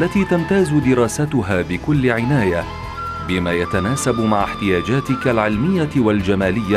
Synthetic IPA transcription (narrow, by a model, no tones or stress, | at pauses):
ʔlːat̪iːt̪amt̪aːzʊd̪ɪɾˤɑːsat̪ʊɦaːbɪkʊlːɪʕɪnaːja | bɪmaːjat̪anaːsabmaʕaħt̪ɪjaːd͡ʒaːt̪ɪkalʕɪlmɪjːawald͡ʒamaːlɪjːa